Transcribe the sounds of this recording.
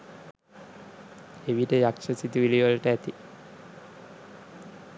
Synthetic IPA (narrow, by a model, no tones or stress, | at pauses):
eʋiʈəjakʂəsit̪uʋiliʋəlʈəæt̪i